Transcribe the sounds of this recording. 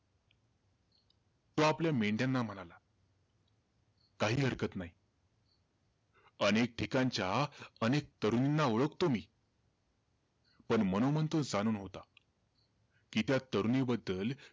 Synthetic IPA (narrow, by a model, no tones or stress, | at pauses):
t̪oapljameɖjanːam̤əñala | kaɦiːɦəɾkət̪naɦi | ənek̚ʈʰikaɲt͡ɕjaənek̚t̪əɾuninːaoɭəkt̪omiː | pəɳmənomənt̪od͡zañuːnɦot̪a | kit̪jat̪əɾunibəd̪ːəl